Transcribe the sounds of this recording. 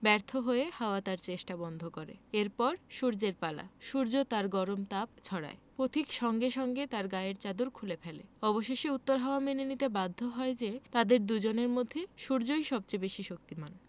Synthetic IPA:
bɛɾt̪ʰoɦoehaoat̪aɾt͡ɕeʃʈabɔnd̪ʱokoɾḛeɾpɔɾʃuɾd͡ʑeɾpala̰ʃuɾd͡ʑot̪aɾɡɔɾomt̪ab̚t͡ɕʰɔɽa̰epɾot̪ʰikʃɔŋɡeʃɔŋɡet̪aɾɡaeɾt͡ɕad̪uɾkʰulepʰelḛɔboʃeʃeut̪ːoɾɦaoamenenit̪ebad̪ʱːoɦɔed͡ʑet̪ad̪eɾd̪ud͡ʑoneɾmod̪ʱːeʃuɾd͡ʑojʃɔb̚t͡ɕebeʃiʃok̚t̪iman

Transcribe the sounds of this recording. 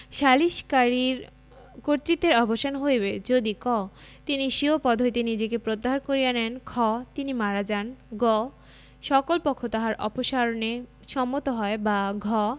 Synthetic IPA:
ʃaliʃkaɾiɾ | koɾt̪ɾit̪ːeɾɔboʃanɦojbed͡ʑod̪ikɔ | t̪iniʃiopɔd̪ʱoit̪enid͡ʑekepɾot̪ːaɦaɾkoɾijanɛnkʰɔt̪inimaɾad͡ʑanɡɔ | ʃɔkolpɔkʰːot̪aɦaɾʔɔ̰poʃaɾone | ʃɔmːot̪oɦɔebaɡʱɔ

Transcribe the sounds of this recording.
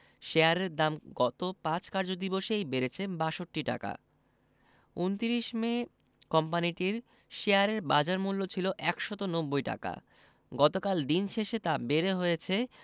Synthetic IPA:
ʃeaɾeɾd̪amɡɔt̪opãt͡ɕkaɾd͡ʑod̪iboʃejbeɾet͡ɕʰebaʃoʈːiʈa̰ka̰ | unt̪iɾiʃme | kɔmpaniʈiɾ | ʃeaɾeɾbad͡ʑaɾmulːot͡ɕʰiloʔɛkʃɔt̪onobːojʈa̰ka̰ | ɡɔt̪okald̪inʃeʃet̪abeɾeɦojet͡ɕʰe

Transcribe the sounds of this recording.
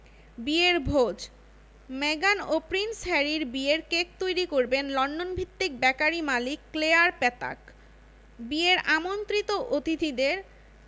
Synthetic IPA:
bieɾbʱod͡ʑ | meɡanopɾinsɛɾiɾbieɾkek̚t̪ojɾikoɾbenlɔɳɖonbʱit̪ːik̚bɛkaɾimalikːleaɾpɛt̪a̰k | bieɾamont̪ɾit̪oʔot̪it̪id̪eɾ

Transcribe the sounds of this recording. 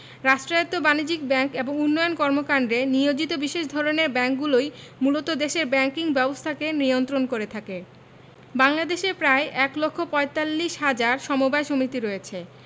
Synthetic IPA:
ɾaʃʈɾajot̪ːobanid͡ʑik̚bɛŋkeboŋunːɔjonkɔɾmokand̪ɾeniod͡ʑit̪obiʃeʃd̪ʱɔɾoneɾbɛŋkɡulojmulot̪od̪eʃeɾbɛŋkiŋbɛbost̪ʰakeniont̪ɾonkoɾet̪ʰake | baŋlad̪eʃeɾpɾaeʔɛklokʰːopɔet̪alːiʃɦad͡ʑaɾʃɔmobaeʃomit̪iɾɔet͡ɕʰe

